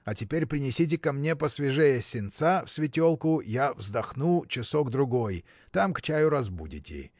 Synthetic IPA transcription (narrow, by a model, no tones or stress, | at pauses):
ɐtʲɪpʲeɾʲpɾʲɪnʲɪsʲit̬ʲɪkɐmnʲepəsvʲɪʐɛjəsʲɪnt̪safsʲvʲɪtʲolˠkʊjavzd̪ɐxnut͡ɕɪsoɡd̪ɾʊɡoj | t̪amkt͡ɕajʊɾɐzbudʲɪ̰tʲɪ̰